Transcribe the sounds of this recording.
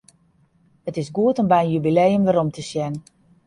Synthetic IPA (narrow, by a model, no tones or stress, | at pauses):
ətɪsɡuətənbɛjənjybilejəmʋaɾɔmtʰəsjɛn